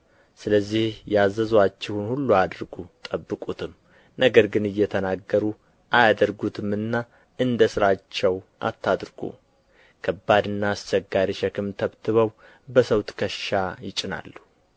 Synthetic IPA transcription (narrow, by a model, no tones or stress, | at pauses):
sɨləzːihjɛazːəzwat͡ʃːɪhunhulːuad̪ɾɡut̪ʼəbːɨkʼut̪ʰɨm | nəɡəɾɡɨnɨjːɛt̪ʰənaɡːəɾu | ʔajad̪əɾɡut̪ʰɨmɨnːa | ɨnd̪əsɨɾat͡ʃːɛwʔa̰t̪ʰːad̪ɾɡṵ | kʰəbːad̪ɨnːaːst͡ʃɛɡaɾiʃəkɨmt̪ʰəβt̪ʰɨβəw | bəsəwt̪kʰəʃajɪt͡ʃʼːɪna̰lːu